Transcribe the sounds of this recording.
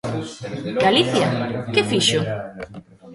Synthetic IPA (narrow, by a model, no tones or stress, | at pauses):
ɡaliθjakɪfiʃʊ